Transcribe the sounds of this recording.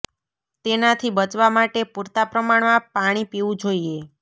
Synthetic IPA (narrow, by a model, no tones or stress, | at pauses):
t̪enat̪ʰibət͡ʃʋamaʈepuɾt̪apɾəmaɳmãpaɽ̃ipiʋũd͡ʒoie